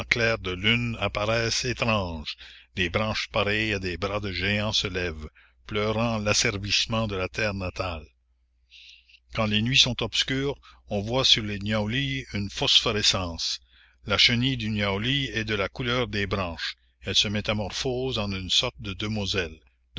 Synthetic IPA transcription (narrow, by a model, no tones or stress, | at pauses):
klɛːʁd̪əlynapaʁɛːset̪ʁɑ̃ːʒd̪ebʁɑ̃ːʃpaɾɛjad̪eːbʁad̪əʒeɑ̃səlɛv | plœːʁɑ̃lasɛʁvismɑ̃d̪əlat̪ɛːʁnat̪al | kɑ̃lenɥisɔ̃t̪ɔbskʲyːʁɔ̃vwasyʁlenjawliynfosfɔʁesɑ̃ːs | laʃənid̪ynjawliɛd̪əlakulœːʁd̪eːbʁɑ̃ːʃ | ɛlsəmet̪amɔʁfoːzɑ̃nynsɔʁt̪̚d̪əd̪ømozɛl | d